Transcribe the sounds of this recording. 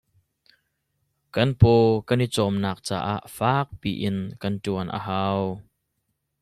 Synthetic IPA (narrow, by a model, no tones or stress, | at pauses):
kɐnpɔːkɐnit͡sɔmnaːk̚t͡sa̰ːʔa̰ːʔfaːk̚piːʔɪnkɐntuənʔə̰ɦaːw